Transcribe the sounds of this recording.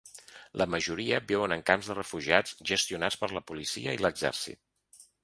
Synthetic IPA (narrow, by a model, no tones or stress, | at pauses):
lʔəməʒuɾiəbɛwənəŋkamzðərəfuʒiat͡sʒəst̪iunat͡spəɾləpulisiəiləɡzɛ̰ɾsḭt̪̚